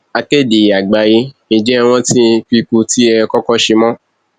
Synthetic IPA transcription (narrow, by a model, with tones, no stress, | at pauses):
a˧ke˦˨de˨a˨ɡ͡ba˨ji˧nĩ˧d͡ʒɛ˦˧w̃ɔ̃˦tĩ˦k͡pi˧ku˧ti˦ɛ˧kɔ˦kɔ˦ʃe˧mɔ̃˦